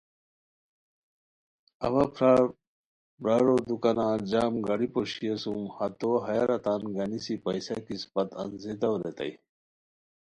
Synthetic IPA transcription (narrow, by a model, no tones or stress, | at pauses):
ɐ̰ʋɐpʰɾaː | bɾaɾod̪ukanãːd͡ʑaːmɡɐɽipoɕiesumhɐt̪oɦɐjaɾɐt̪aːnɡɐnisipɐjsɐkispɐt̪ɐ̰nzid̪ɐwɾet̪ɐ̰ij